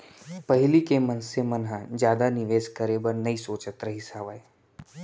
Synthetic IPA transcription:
pɐɦɪlikemɐnsemɐnɦãd͡ʒjaːd̪anɪʋeːʃkəɾebɐɾnɐisoːt͡ʃət̪ɾɐɦisaːʋaːe

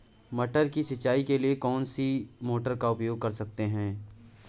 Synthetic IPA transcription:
mɐʈəɾkisɪt͡ʃːaːikeliekɔːnsimoːʈəɾkaʊpjoːɡ̚kɐɾsɐk̚t̪eɦɛ̃ː

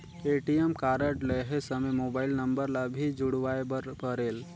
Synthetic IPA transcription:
eʈijemkaɾəʈleɦesəməjmobaːɪlnəmbəɾlabʱid͡ʒuɽʋaepəɾeːl

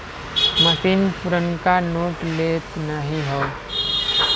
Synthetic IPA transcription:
məsiːnpuɾənkanoːʈleːt̪nəɦĩɦɛ

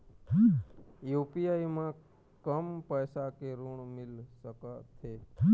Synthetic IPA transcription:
jupijajmã | kəmpəjsakeɾuɳmɪlʃəkat̪ʰe

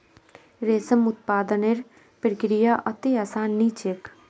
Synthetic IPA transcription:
ɾeːsəmʊt̪̚paːd̪əneɾ | pɾəkɾijaːʔɐt̪iaːsaːnːiːt͡ʃek

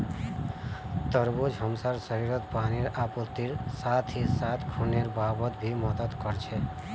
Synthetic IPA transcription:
t̪əɾbud͡ʒɦəmsaɾsəɾiɾət̪paniɾaput̪ːiɾsat̪ʰisat̪ʰkʰuneɾbabət̪bʱimʌd̪əd̪kʌɾt͡ʃʰɛ

